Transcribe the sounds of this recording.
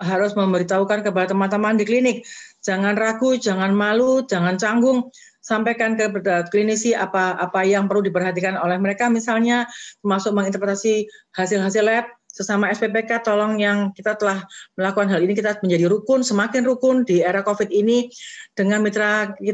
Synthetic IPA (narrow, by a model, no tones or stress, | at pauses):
ɦaɾʊsməmbəɾit̪aukankəpalat̪əmant̪əmandiklinɪk̚d͡ʒ̥aŋanraɡud͡ʒaŋanmalud͡ʒaŋant͡ʃaŋɡʊŋ | sampajkankəklinisiapaʔːpajaŋpərludipərɦat̪ikanolɛhməɾekamisalɲat̪əmasʊk̚məŋint̪ərpət̪asihasɪlɦasɪlɛp̚səsamaɛsbepekat̪olɔŋjaŋkit̪at̪əlahməlakukanɦalinikit̪aməɲd͡ʒadiɾukʊnsəmakɪnrukʊndieɾakofɪt̪̚inid̥əŋanmit̪ɾaki